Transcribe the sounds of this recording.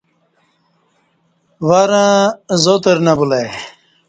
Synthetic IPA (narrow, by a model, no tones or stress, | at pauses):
waɾãzot̪eɾnabulaj